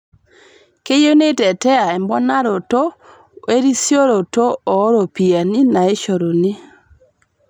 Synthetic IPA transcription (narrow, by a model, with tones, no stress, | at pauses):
ke˦jo˦ne˦tɛ˨tɛ˦a˨ɛ˨mbɔ˦na˦ɾo˨to˦ | e˦ɾi˦sjo˦ɾo˨to˦ɔ˨˦ɾo˨pi˨a˨ni˦na˨e˦ʃo˨ɾo˨ni˦